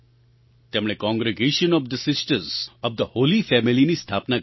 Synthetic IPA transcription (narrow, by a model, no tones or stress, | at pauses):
t̪emɽ̃ɭekɔ̃ŋɡɾeɡeːʃənɔʋd̪əsɪsʈəɾzɔʋd̪əhoːlifɛmilinist̪ʰaːpna